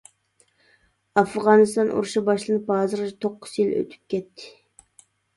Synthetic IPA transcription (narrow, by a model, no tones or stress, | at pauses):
ɑfʁɑnɨst̪ɑnʔṵɾuʃɑbɑʃlˠɨnɨpɑːzɨɾt̪ʰoqːʊ̥zjilø̰t̪ʰy̥p̚kʲʰɛt̪ʰːɪ̥